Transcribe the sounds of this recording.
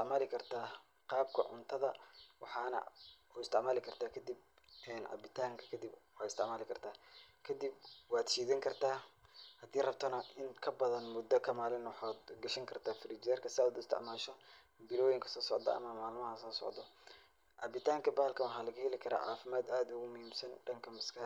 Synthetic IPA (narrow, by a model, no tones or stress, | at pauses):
t̪ɪʕmaːlɪkʰɐrt̪ʰaː | qɑːb̚kʰɐ̰ʕʊ̰nt̪ʰɐðɐwɑħɑːnɐ̰uːɪst̪ʰɪʕmaːlɪkʰɐrt̪ʰaːkʰɐd̪ib̚ | ɛːnʕɑ̰bɪt̪ʰaːŋkʰɐkʰɐd̪ibwɑːɪst̪ɪ̰ʕmaːlɪkʰɐrt̪ʰaːkʰɐd̪ib̚wɑːd̪ʃiːðɪŋkʰɐrt̪ʰaːhɐd̪iːrɐbt̪ʰɐnɐʔɪŋkʰɐbɐðɐnmʊd̪ɔkʰɐmaːlɪnwɑħaːd̪ɡɐʃɐŋkʰɐrt̪ʰaːfriːd͡ʒɛːrkʰɐsɪaːd̪ʊɪst̪ʰɪ̰ʕmaːʃɔ | bɪlɔːjɪŋkʰɐ̥sɔːsɔʕd̪ɐ̰ɐ̰mɐmaːlmɐɦɐsɔːsɔ̰ʕd̪ɔ | ʕɑbɪt̪ʰaːŋkʰɐbaːlkʰɐwɑħɑːlɐɣɐhɛlɪkʰɐɾa̰ːʕɑ̰ːfɪmaːd̪aːd̪ʊɣʊmʊhiːmsɐnɖɐŋkʰɐmɐskʰɐ